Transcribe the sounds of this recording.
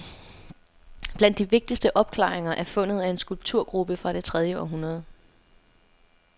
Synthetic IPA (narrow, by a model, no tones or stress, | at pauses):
b̥læn̰d̥ːiʋe̝ɡ̥̚d̥isd̥əʔɒ̽b̥̚kʰlɑ̰̈ːeŋɐʔæɐfɔ̽n̰ð̩ˠæe̝nsɡ̥ulb̥̚t͡sʰuɐ̰ɡ̥ʁub̥əfʁɑ̈ɾ̥e̝t͡sʰʁɛð̞ˠjəɒ̰ːɦunʁɐð̞̩ˠ